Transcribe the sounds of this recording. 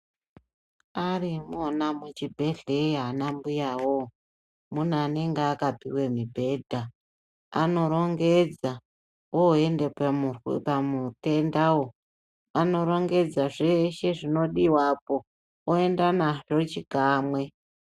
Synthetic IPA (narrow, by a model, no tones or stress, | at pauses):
aɾimonamut͡ʃibʱe̞ɮeɦanambujawo | mun̤uaneŋɡeakapiwe̞mibʱe̞dʱa | a̰no̞ɾo̞ŋɡe̞d͡za | oendepuwpamute̞ndawo | ano̞ɾo̞ŋɡe̞d͡zaʐeʃe̞ʐino̞ɗiwapo̞ | oe̞ndanaʐot͡ʃikaːmwe̞